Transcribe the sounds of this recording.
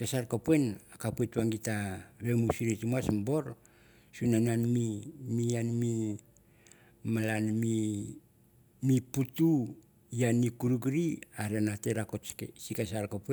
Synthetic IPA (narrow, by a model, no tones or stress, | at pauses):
kesaɾkopue̞nakapuetuaŋɡitaβe̞musiɾetumuasmbo̞ɾ | sunananmimianmi | malanmi | miputu | ianikuɾuɡɾiaɾanate̞ɾako̞tesikasaɾkope